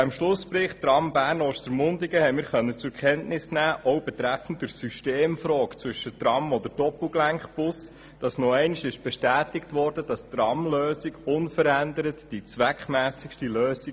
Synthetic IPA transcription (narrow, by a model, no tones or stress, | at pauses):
ɪmʃlʊspɾɪχttrɑmbæːɾnɔʃtəɾmʊndiɡəhɛɪmɪːɾχœnːət͡sukχɛntnɪsnæːʔɔwb̥ɛt̪ɾæfən̩t̚d̥ʊɾsyʃteːmfɾɔːkt͡sʋʏʃətrɑmɔd̪əɾd̥ɔpl̩ɡlæŋχb̥ʊs | d̥ɑsnɔɛɪniʃɪʃb̥ɛʃtæːtɪktʋɔrd̥əd̥ɑst̪rɑmløːsiɡʊnfəɾændəɾətd̥it͡sʋækχmæːsɪkʃtiløːsi